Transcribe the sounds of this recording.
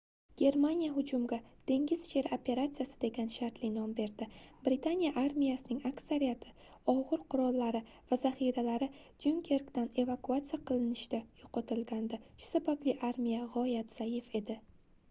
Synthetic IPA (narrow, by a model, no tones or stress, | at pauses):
ɡ̥ʲe̞ɾmanijaɦʊd͡ʒʊmɡʲad̪̥ʰe̞ŋɡʲɪzʃʰe̞ɾopʰe̞ɾat̪sijasɪd̪e̞ɡʲanʃaɾt̪lɪnɒmbe̞ɾd̪ɪbɾɪt̪ʰanijaʔaɾmijasɪnɪŋaksaɾijat̪ʰɪ̥ | ɒʁɨɾqʰʊɾɒlˠːaɾɪ | vazaχiɾalaɾɪd̪̥uŋkʲʰe̞ɾkd̪ane̞vakʰuat̪sijaqɨlˠɪnɪʃd̪ajʊqʰɒt̪ʰɪlɡʲand̪aʃʊ̥sabablɪʔaɾmijaʁɒjat̪z̥ajɪfe̞d̪ɪ